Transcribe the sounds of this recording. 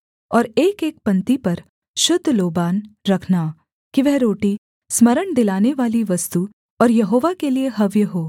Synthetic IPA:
ɔːɾeːkeːk̚pɐ̃nt̪ipɐɾ | ʃʊd̪ʱːloːbaːnɾɐkʰnaː | kiʋɛɦɾoːʈi | smɐɾəɳd̪ɪlaːneʋaːliʋɐst̪u | ɔːɾjɐɦoːʋakelieɦɐʋjəɦoː

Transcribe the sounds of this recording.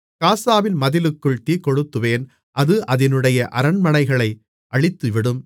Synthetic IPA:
kaːsaːʋɪnmɐðɪlɯkːɯɭt̪ikɔɽɯt̪ːɯʋeːn | ʔɐðɯʔɐðɪnɯɽɐjɐʔɐɾɐnmɐnɐɪɣɐɭɐɪ | ʔɐɭɪt̪ːɯʋɪɽɯm

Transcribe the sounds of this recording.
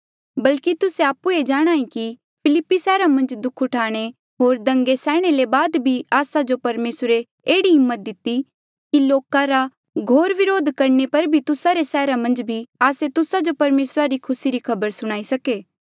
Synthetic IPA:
bɐlkit̪ʊseaːpued͡ʒaːɽ̃aːĩki | pʰɪlɪpːisɛːɾamɐ̃nd͡ʒd̪ʊkʰʊʈʰaːɽ̃e | ɦoːɾd̪ɐ̃ŋɡesɛːɽ̃elebaːd̪bʱiaːsad͡ʒopɐɾmeːsɾe | eːɽiɦɪmːət̪̚d̪ɪt̪i | kiloːkãɾa | ɡʱoːɾʋɪɾoːd̪ʱkɐɾnepɐɾbʱit̪ʊsaɾesɛːɾamɐ̃nd͡ʒbʱiaːset̪ʊsad͡ʒopɐɾmeːsɾaɾikʰʊsiɾikʰɐbəɾsʊɽ̃aːisɐkeː

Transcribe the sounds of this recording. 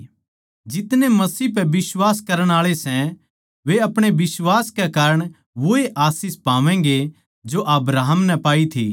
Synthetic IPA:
d͡ʒɪt̪nemɐsiːp̬ɛbɪswaːskɐɾəɽ̃aːɭesɛ̃ | ʋeɐpɽ̃ebɪswaːskɛkaːɾəɽ̃ | ʋoeʔaːsiːspãːʋɛ̃ŋɡe | d͡ʒoʔɐbɾaːɦəmnɛ̃paːit̪ʰḭ

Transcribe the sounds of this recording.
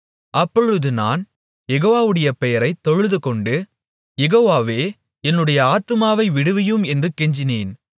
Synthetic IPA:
ʔɐpːɔɻɯðɯna̰ːn | jɛɣoːʋaːʋɯɽɐjɐpɛjɐɾɐɪt̪ːɔɻɯðɯkɔɳɖɯ | jɛɣoːʋaːʋeː | ɛnːɯɽɐjɐaːt̪ːɯmaːʋɐɪʋɪɽɯʋɪjɯmɛndrɯkːɛɲd͡ʒɪneːn

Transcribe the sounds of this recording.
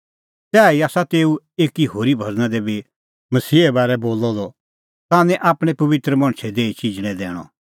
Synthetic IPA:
sɛːiaːsat̪eːu | eːkiɦoːɾibʱɐd͡znãd̪ɛbʱi | mɐsiːɛbaːɾɛboːlːɔd̪ɔ | t̪aːnɛ̃ʔaːpɽ̃ɛ̃pɐʋɪt̪ɾəmɐ̃ɽ̃t͡ʃʰɛd̪eːit͡ʃɪd͡ʒɽ̃ɛ̃d̪ɛ̰ːɽ̃ɔ̰̃

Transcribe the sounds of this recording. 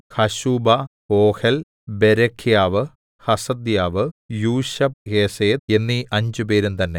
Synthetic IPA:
hɐɕuːbɐ | oːhel | beɾɐkʰːijaːʋɨ | hɐsɐd̪jaːʋɨjuːɕɐb̚heːseːd̪e̞nːiʔɐɲd͡ʑupe̞ːɾumt̪ɐnːe̞

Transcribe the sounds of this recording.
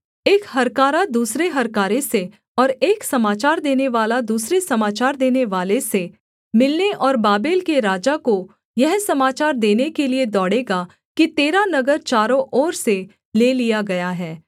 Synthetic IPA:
eːkhɐɾkaːɾad̪uːsɾeɦɐɾkaːɾese | ɔːɾeːksɐmaːt͡ʃaːɾd̪eːneʋaːlad̪uːsɾesɐmaːt͡ʃaːɾd̪eːneʋaːlese | mɪlneʔɔːɾbaːbeːlkeɾaːd͡ʒako | jɛɦsɐmaːt͡ʃaːɾd̪eːnekelied̪ɔːɽeːɡa | kit̪eːɾanɐɡəɾt͡ʃaːɾõʔɔːɾse | leːlijaɡɐjaɦɛː

